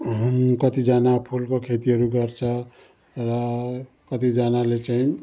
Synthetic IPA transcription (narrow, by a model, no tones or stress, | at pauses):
ɦkʌt̪id͡ʒanapʰulkokʰet̪iɦʌɾuɡʌɾt͡ʃʰʌ | ɾʌ | kʌt̪id͡ʒanalet͡ʃaĩ